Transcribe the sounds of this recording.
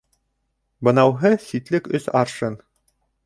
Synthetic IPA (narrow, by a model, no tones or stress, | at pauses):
bɤ̆nɑwɦɤsit̪lɘkɵsɑɾʃɤn